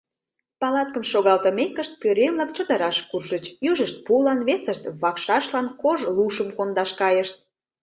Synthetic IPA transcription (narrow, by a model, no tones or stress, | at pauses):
pɑlɑt̪kəmʃoɣɑlt̪əmekəʃt̪̚pøɾemlɑk̚t͡ɕod̪əɾɑʃkurʒət͡ɕjyʒəʃt̪̚pulɑnβet͡səʃt̪βɑkʃɑʃlɑnkoʒluʃəmkond̪ɑʃkɑjəʃt̪̚